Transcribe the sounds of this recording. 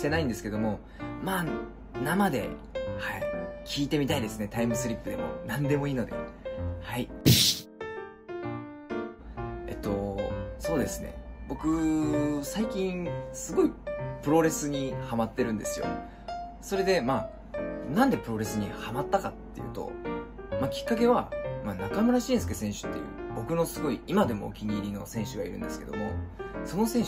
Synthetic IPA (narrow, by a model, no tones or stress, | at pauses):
ɕt̪e̞naĩnd̪esɨ̥ke̞d̪o̞mo̞ | maː | namad̪e̞̰haikʲʰiːt̪e̞mʲit̪aid̪e̞sɨne̞t̪aimɯ̟sɨɾʲipːɯd̪e̞̰mo̞̰nãnd̪e̞mo̞iːno̞d̪e̞̰haipi | e̞̰t̪ːo̞so̞ːd̪e̞sɨnḛbo̞kɯ̟saikʲĩɴsɨɡo̞ipɯ̟ɾo̞ɾe̞sɨɲ̟ihamat̪ːe̞ɾɯ̟̃nd̪e̞sɨjo̞̰ | so̞ɾe̞d̪e̞maː | nãnd̪e̞pɯ̟ɾo̞ɾe̞sɨɲ̟ihamat̪ːakat̪ːe̞jɯ̟̰ːt̪o̞̰ | makʲi̥kːak̬e̞βamaːnakamɯ̟ɾaɕĩːd̪esɨkesẽ̞ɰ̃ɕɨ̥t̪ːe̞̰bo̞kɯ̟no̞sɨɡo̞iimad̪e̞mo̞̰kʲiɲ̟iːɾʲino̞̰sẽ̞ɰ̃ɕɨɡaḭɾɯ̟̃nd̪e̞sɨ̥ke̞d̪o̞mo̞so̞no̞sẽɰ̃